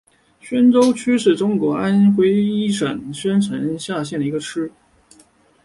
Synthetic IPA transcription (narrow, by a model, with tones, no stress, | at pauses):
ɕɥɛ˥nʈ͡ʂo˥ʊt͡ɕʰy˥ʂɻ̩˥˩ʈ͡ʂʊ˥ŋkwɔ˧˥ʔa˥nxwe˥ɪi˥ʂə˨˩nɕɥɛ˥nʈ͡ʂʰə˧˥nɕja˥˧ɕjɛ˥˩nd̪i˧˥ɡə˧ʈ͡ʂʰɻ̩˥